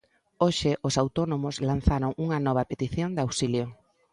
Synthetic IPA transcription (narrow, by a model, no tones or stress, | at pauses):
oʃɪʔʊsawt̪ɔnomʊslan̟θaɾoŋuŋɐnɔβ̞ɐpet̪iθjoŋd̪awsiljo